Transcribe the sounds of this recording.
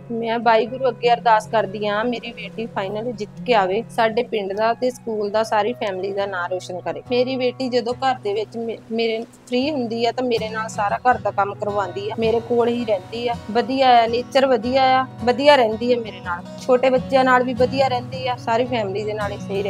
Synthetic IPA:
mɛ̃ːbaːiːɡʊɾuːəɡːeːəɾd̪aːskəɾd̪iːãːmeːɾiːbeːʈiːpʰaːinəld͡ʒɪt̪keːaːʋeːsaːɖeːpɪɳɖd̪aːt̪eːskuːld̪aːsaːɾiːpʰɛːmliːd̪aːnaːɾoːʃənkəɾeːmeːɾiːbeːʈiːd͡ʒəd̪õːkəɾd̪eːʋɪt͡ʃmeːɾeːp̪ʰɾiːɦʊnd̪iːɛːt̪ãːmeːɾeːnaːlsaːɾaːkəɾd̪aːkəmkəɾʋãːnd̪iːɛːmeːɾeːkoːlɦiːɾɛ̃ːnd̪iːɛːbəd̪ijaːaːneːt͡ʃəɾʋəd̪ijaːaːbəd̪ijaːɾɛ̃ːnd̪iːɛːmeːɾeːnaːl | t͡ʃʰoːʈeːbətːʃjãːnaːlbiːbəd̪ijaːɾɛ̃ːnd̪iːɛːsaːɾiːpʰɛːmliːd̪eːnaːlɪseɦiːɾɛ̃ː

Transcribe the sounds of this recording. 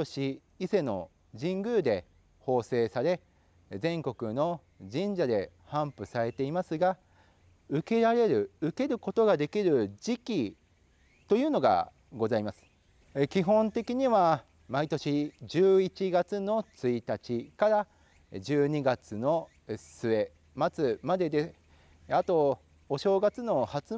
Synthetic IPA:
o̞ɕi | ise̞no̞̰ | ʑĩŋɡɯ̟ːd̪e̞ | ho̞ːse̞ːsaɾe̞ | zẽ̞ŋko̞kɯ̟no̞ | d͡ʑĩɲ̟d͡ʑad̪e̞ | hãmpɯ̟saɾe̞t̪e̞imasɨɡa | ɯ̟ke̞ɾaɾe̞ɾɯ̟ɯ̟ke̞ɾɯ̟ko̞t̪o̞ɡad̪e̞kʲiɾɯ̟d͡ʑikʲi | t̪o̞jɯ̟ːno̞ɡa̰ | ɡo̞zaimasɨ̥ | ekʲiɦõ̞nt̪e̞kʲiɲ̟iβa | mait̪o̞ɕid͡ʑɨːit͡ɕiɡat͡sɨno̞t͡sɨit̪at͡ɕikaɾa | d͡ʑɨːɲ̟iɡat͡sɨno̞ | sɨe̞ | mat͡sɨmad̪e̞d̪e | at̪o̞ | oɕo̞ːɡat͡sɨno̞hat͡sɨ

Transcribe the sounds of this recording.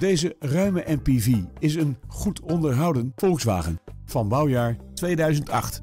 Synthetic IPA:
d̥ejzərœɥməʔɛmpiviɪsənχutʰɔndəɹɦɑwdənfɔlˠksʋa̰ːχə̰n | v̥ɑnbɑwjaːɹtʋejdœɥzəntɑ̰χt

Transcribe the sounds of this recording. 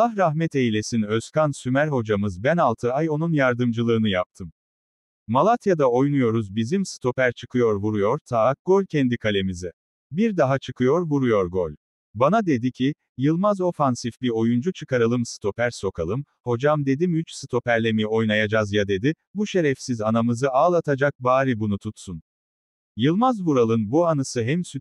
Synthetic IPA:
ahɾaɦmɛt̪ʰe̞jilʲe̞sinøskansymæɾɦo̞d͡ʒamɯzbænalˠt̪ʰɯajo̞nunjaɾd̪ɯmd͡ʒɯlˠɯːnɯjap̚t̪ʰɯm | malˠat̪ʰjad̪ao̞jnujo̞ɾuzbizimsɯ̥t̪ʰo̞pæɾt͡ʃʰɯkʰɯjo̞ɾvuɾujo̞ɾt̪ʰaːk̚ɡ̥o̞lʲcʰɛnd̪ikʰalʲe̞mizɛ | biɾd̪aɦat͡ʃʰɯkʰɯjo̞ɾvuɾujo̞ɾɡo̞lʲ | banad̪e̞d̪icʰi | jɯlˠmazo̞fansifbio̞jund͡ʒut͡ʃʰɯkaɾɯlˠɯmsɯ̥t̪ʰo̞pæɾso̞kʰalˠɯm | ho̞d͡ʒamd̪e̞d̪imyt͡ʃsɯt̪ʰo̞pæɾlʲemijo̞jnajad͡ʒazjad̪e̞d̪i | buʃe̞ɾɛfsizanamɯzɯaːlˠat̪ʰad͡ʒak̚baːɾibunut̪ʰut̪sun | jɯlˠmazvuɾalˠɯnbuanasɯɦɛmsy

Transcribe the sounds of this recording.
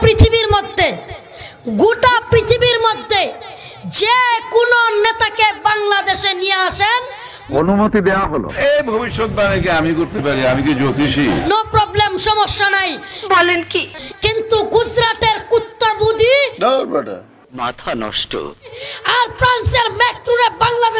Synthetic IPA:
pɾit̪ʰibiɾmod̪ʱːe | ɡuʈapɾit̪ʰibiɾmod̪ʱːe | d͡ʑekunonet̪akebaŋlad̪eʃenijeaʃen | o̰numot̪id̪eoaɦolo̰ejbʱobiʃːot̪̚banek̬eamikoɾt̪epaɾiamikid͡ʑot̪iʃinopɾɔblemʃɔmoʃːanajbɔlenkikint̪uɡud͡ʑɾaʈeɾkut̪ːabud̪ʱinabaʈa̰ | mat̪ʰanɔ̰ʃʈo̰aɾpɾanseɾmek̚ʈɾuɾeɾbaŋlad̪e

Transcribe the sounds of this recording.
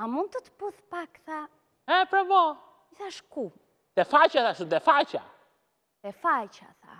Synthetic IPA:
amund̪̚t̪ət̪ə̥puðpakθa | ɛpɾɔmɔ | iθaʃku | t̪ɛfat͡ʃaθaʃud̪ɛfat͡ʃa̰ | t̪ɛfajt͡ʃa̰θa̰

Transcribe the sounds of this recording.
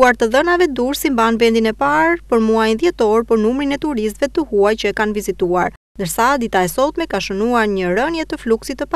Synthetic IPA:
uaɾt̪əðənavɛd̪uɾsimbanvɛnd̪inɛpaɾpəɾmuajnðjɛt̪ɔɾpəɾnumɾinɛt̪uɾis̬t̪vɛt̪əhuajt͡ɕəkanvizit̪uaɾ | nd̪əɾsad̪it̪aɛsɔt̪mɛkaʃənuaɾɲəɾənjɛt̪əfluksit̪ːəpa

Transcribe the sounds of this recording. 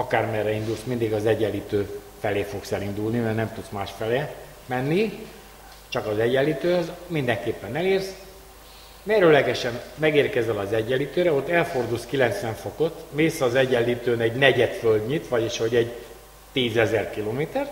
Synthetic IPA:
ɒkaːrmɛrːɛind̪ulsmind̪iɡɒzɛɟːɛlːiːt̪øː | fɛleːfo̞ksɛlind̪ulnimɛrnɛmt̪ut̪smaːʃfɛlɛ | mɛnːi | t͡ʃɒkɒzɛɟːɛlːit̪øːhøzmind̪ɛŋkeːpːɛnɛleːrs | mɛrɾølɛɡɛʃɛnmɛɡeːrkɛzɛlɒzɛɟːɛlːit̪øːɾɛo̞t̪ːɛlfo̞rd̪uːlskilɛnt̪sʋɛɱfoko̞t̪meːsɒzɛɟːɛlːiːt̪øːnɛɟnɛɟɛt̪føld̪ɲit̪ʋɒɟiʃhoɟɛɟ | t̪iːzɛzɛrkiloːmeːt̪ɛr

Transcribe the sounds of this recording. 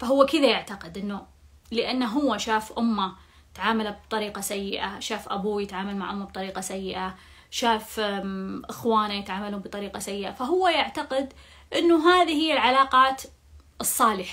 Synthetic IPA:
faɦʊwːakɪðajaʕt̪aqɪd̪ʔɪnːu | lɪʔanːaɦʊwːaʃaːfʔʊmːa | t̪ʕaːmalabt̪ˤɑɾiːqasajːɪʔaʃaːfʔa̰buːjɪt̪ʕaːmalmaʕʔʊmːab̚t̪ˤɑɾiːqɑsajːɪʔa | ʃaːf | ʔɪxwaːnajɪt̪ʕaːmalubɨt̪ˤɑɾiːqɑsajːɪʔafaɦʊwːajaʕt̪aqɪd̪ | ʔɪnːuɦaːðihɪjːalʕalaːqɑːt̪ | ʔɨsˤːɑːlɪħ

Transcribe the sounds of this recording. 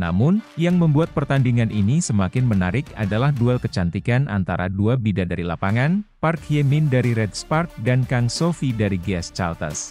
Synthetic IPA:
na̰mʊnjaŋməmbuat̪̚pərt̪andiŋanʔinisəmakɪnmənaɾɪka̰dalahdualkət͡ʃant̪ikanʔa̰nt̪a̰ɾa̰duabidadaɾilapaŋanparkjemɪndaɾiɾɛdspark̚dankaŋsofidaɾiɡast͡ʃa̰lt̪ə̰s

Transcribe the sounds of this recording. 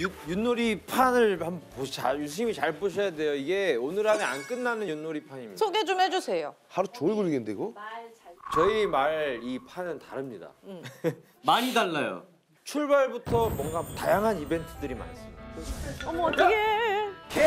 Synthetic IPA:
juk̚junːoɾipʰanɯɭampot͡ɕajus̬ʰuɲimit͡ɕaɭpoɕʰʌjade̞joiɡe̞onɯɾɦanea̰nk͈ɯnːanɯnjunːoɾipʰaɲimɲḭasʰoɡe̞t͡ɕomhed͡ʑusʰe̞jo | haɾut͡ɕoɭɡɯɭɡindeɡo | t͡ɕʌimaɭipʰanɯntaɾɯmɲida̰ | maɲidaɭːajo̰ | t͡ɕʰuɭbaɭbutʰʌmwʌŋɡatajaŋɦanibe̞ntʰɯdɯɾima̰nas͈ɯiako | ɡe

